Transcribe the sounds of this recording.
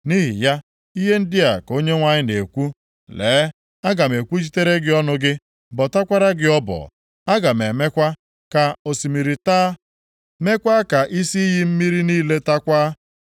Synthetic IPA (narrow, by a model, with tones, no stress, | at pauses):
ni˦ɦḭ˨ja˦ | i˦ɦe˦n̩˦dɪ˦a˨ko˦ɲe˦ŋʷa˦ɲɪ˦ne˨kʷu˦ | leː˨˦ | a˦ɡa˨me˨kʷu˦t͡ʃi˦te˦ɾe˦ɡɪ˦ɔ˦nʊ˦ɡɪ˦ | bɔ˨ta˦kʷa˦ɾa˦ɡɪ˦ɔ˦bɔ̰˨ | a˦ɡa˨me˨me˦kʷa˦ | ka˨o˨si˨mi˨ɾi˨ta˦ | me˦kʷa˦ka˨ʔi˦si˦i˦ɦi˦m̩˦mi˦ɾi˦niː˦le˦ta˦kʷaː˦